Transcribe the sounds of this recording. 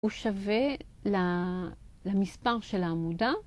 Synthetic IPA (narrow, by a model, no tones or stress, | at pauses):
uʃave̞la | lamispaʁʃelaːmuda